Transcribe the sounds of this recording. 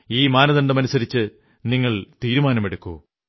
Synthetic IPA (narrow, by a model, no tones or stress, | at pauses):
iːmaːnɐðɐɳɖɐmɐnusɐɾit͡ɕːɨ | niŋːɐɭt̪iːɾumaːnɐmeɽukːṵː